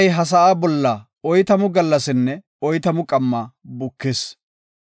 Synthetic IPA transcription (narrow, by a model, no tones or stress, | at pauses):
jɦɐs̬ɐʔaːbɔlːɐ | ɔjt̪ɐmʊɡɐlːɐsɪnːɛ | ɔjt̪ɐmʊkʼɐmːɐbʊkːɪs